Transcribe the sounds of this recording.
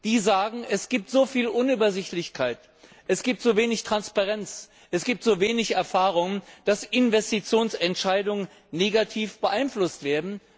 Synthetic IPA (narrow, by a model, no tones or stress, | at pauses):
d̥iːzaːɡŋ̩ɛsɡ̥iːp̚tz̥oːfiːlʔʊnyːbɐzɪçtlɪçkʰaɪt | ʔɛsɡ̥iːp̚tz̥oːveːnɪçtʁ̥anspaʁɛnt͡s | ʔɛsɡ̥iːp̚tz̥oːveːnɪçɛɐfaːʁ̞ʊŋənd̥asʔɪnvɛstit͡sjoːnsɛntʃaɪdʊŋən | nːeːɡatʰiːfb̥əʔaɪnflʊstv̥eːɐdn̩